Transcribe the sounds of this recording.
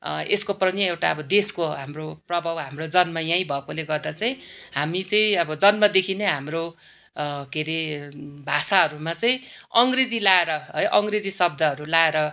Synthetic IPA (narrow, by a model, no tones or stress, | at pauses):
eskoprʌnjʌewʈaʌbʌd̪eskoɦamroprʌbʱawɦamrod͡zʌnmajãĩbʱʌkoleɡʌrd̪at͡saĩɦamit͡saĩʌbʌd͡zʌnmad̪ekʰineɦamro | keɾebʱasaɦʌɾumat͡saĩʌŋɡred͡zilaeɾʌɦʌjʔʌŋɡred͡zisʌb̚d̪ʱʌɦʌɾulaeɾʌ